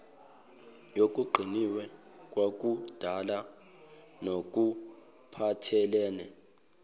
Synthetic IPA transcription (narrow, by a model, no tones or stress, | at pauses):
jok̬ʼuɡ͡ǃʱiniwɛk̬ʼwak̬ud̥ʱala | nok̬ʼu | pʰatʰɛlɛːnɛ